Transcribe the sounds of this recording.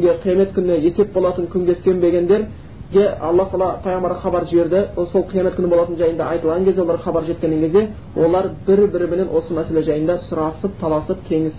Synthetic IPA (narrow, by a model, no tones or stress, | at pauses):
ɡʲe̞qʰijɑme̞t̪kʲʰʏnɪje̞se̞p̚bo̞lˠɑt̪əŋkʲʰʏŋɡʲe̞se̞mbe̞ɡʲe̞nd̪e̞ɾ | ɡʲeɑ̰lˠːɑht̪ɑlˠɑt̪ʰɑjʁəmɑɾəχɑbɑɾʒɪbe̞ɾd̪ɪso̞lˠqʰijɑmet̪kʲʰʏnɪbo̞lˠɑt̪ənʒɑjənd̪ɑɑjt̪əlˠʁɑŋkʲezd̪eɑʁχɑbɑɾʒe̞t̪̚kʲeneŋkʲʰe̞zd̪e̞ | wʔo̞lˠɑɾbɪɾbɪɾɪmene̞nwo̞səmæse̞le̞ʒɑjənd̪ɑsʊɾɑsəp̚t̪ʰɑlˠɑsəp̚t̪ʲʰe̞ŋɪs